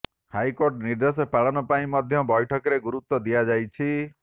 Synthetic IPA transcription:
hajkoɾʈniɾd̪esɔpaɭɔnɔpaĩmɔd̪ʱjɔbɔjʈʰɔkɔɾeɡuɾut̪ːɔd̪iad͡ʒajt͡ʃʰi

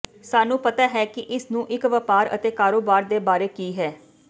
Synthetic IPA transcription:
saːnũːpət̪aːɦɛːkɪʔɪsnũːʔɪkʋəpaːɾə̰t̪eːkaːɾoːbaːɾd̪eːbaːɾeːkiːɦɛː

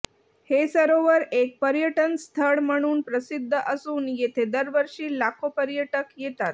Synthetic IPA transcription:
hesəɾoʋəɾek̚pəɾjəʈənst̪ʰəɽm̤əɽ̃uːnpɾəsid̪ʱːəʔəsuːnjet̪ʰed̪əɾʋəɾʂiːlakʰopəɾjəʈəkjet̪at̪̚

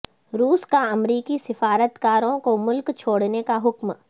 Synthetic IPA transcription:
ɾuːskaɐmɾiːkisɪfaːɾət̪kaːɾõkomʊlkt͡ʃʰoːɽnekaɦʊkm

